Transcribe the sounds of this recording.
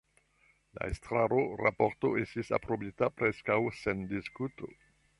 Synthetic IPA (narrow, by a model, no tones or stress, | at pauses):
la̰ḛstɾaɾoɾa̰po̞ɾto̞̰e̞stisa̰pɾo̞bitapɾe̞skawsendiskuto